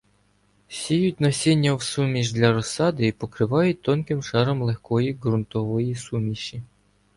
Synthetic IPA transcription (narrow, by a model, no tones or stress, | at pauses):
sʲejutʲnɐsʲenʲːɐwsumʲiʃd̪lʲaɾɔsɑd̪ɨipɔkɾɪʋajut̚ʲt̪ːonkʲɪmʂɑɾɔmlˠɛxkɔjiɡrunt̪ɔʋɔjisumʲiɕi